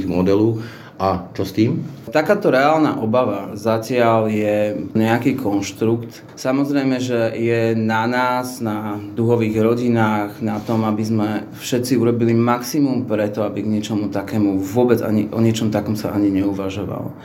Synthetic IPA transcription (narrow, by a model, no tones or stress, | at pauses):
ɣmɔd̪ɛlɔ | ʔat͡ʃɔst̪iːmt̪akaːt̪ɔɾɛaːlna̰ʔɔbaʋazacɪaljɛɲɛakiːkɔnʃt̪ɾukt̪ | samɔzɾɛjmɛʒɛjɛnanaːznad̪uɦɔʋiːɣɾɔɟinaːɣnat̪ɔmabizmɛ | fʃɛt̪t͡siuɾɔbilimaksimumpɾɛt̪ɔabiɡɲɛt͡ʃɔmut̪akɛːmuʋʊɔbɛd͡za̰ɲiʔɔ̰ɲɛt͡ʃɔmt̪akɔmsa̰ʔaɲiɲɛuʋaʒɔʋa̰lɔ̰